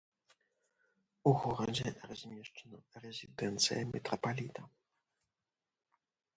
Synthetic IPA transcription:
uɣɔɾɔd͡zʲɛɾazʲmʲɛʂt͡ʂanɔɾɛzʲid̪ɛnt̪sɨ̰jɛmʲʔɛ̰t̪ɾɔpalʲit̪a

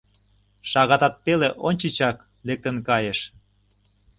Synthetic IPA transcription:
ʃɑɣɑt̪ɑt̪̚peleʔonʲt͡ɕit͡ɕɑk | lek̚t̪ə̆nkɑjeʃ

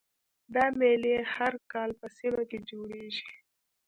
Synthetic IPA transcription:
d̪ɑmelehaɾkɑlpəsimaked͡ʒoɽeʒi

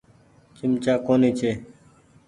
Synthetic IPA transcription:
t͡ʃɪmt͡ʃaːkoːniːt͡ʃʰeː

